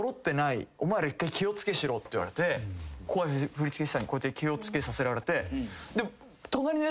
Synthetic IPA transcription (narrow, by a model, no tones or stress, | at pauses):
oɾo̞t̪ːe̞naio̞mae̞ɾaikːaikʲio̞t͡sɨ̥ke̞ɕiɾo̞ːt̪ːeiβa̰ɾe̞t̪e̞kʰoaɸɯ̟ɾʲit͡sɨ̥ke̞ɕi̥t̪aɲ̟iko̞et̪ːekʲio̞t͡sɨ̥ke̞sase̞ɾaɾe̞t̪e̞d̪e̞ | t̪o̞naɾʲino